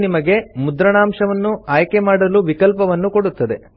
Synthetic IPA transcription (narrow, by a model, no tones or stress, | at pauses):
nimɐɡe̞mud̪ɾɐɳaːmʂɐʋɐnːuaːjke̞maːɽɐluʋikɐlpɐʋɐnːuko̞ɽut̪ːɐd̪e̞